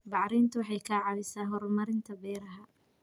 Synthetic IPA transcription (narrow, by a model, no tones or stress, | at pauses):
bɑʕɾiːnt̪ʰʊwɑħɑjkʰɐʕɑðɪsaːɦɔɾɔmɐɾɪnt̪ʰɐbɛːɾɐɦɐ